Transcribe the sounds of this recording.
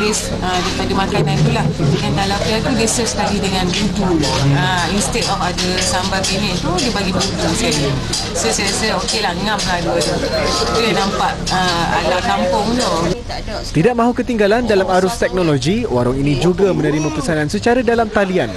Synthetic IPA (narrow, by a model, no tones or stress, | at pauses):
bɪs | ədaipadamakanãnt̪ulahkankalawpat̪udiəsəsə̥kalidəŋãnbud͡ʒulahəinst̪ɛkafadəsambabinɛ̃nt̪udibaɡibuɡusaj | səsəsəokelaŋãmladuad̪ubolɛhnãmpaʔəa̰lawkampʊŋno | t̪idaʔ̚mãɦukət̪iŋɡalandalamaɾʊst̪ɛk̚nolod͡ʒiwaɾɔŋinĩd͡ʒuɡamənəɾimãpəsanãnsət͡ʃaɾadalamt̪alian